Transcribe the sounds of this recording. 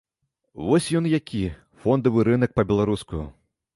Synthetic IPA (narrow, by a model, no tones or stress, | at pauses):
vɔsʲjɔnjakʲi | fɔnd̪ɐvɨɾɨnɐk̚pɐbʲɛlˠaɾuskujṵ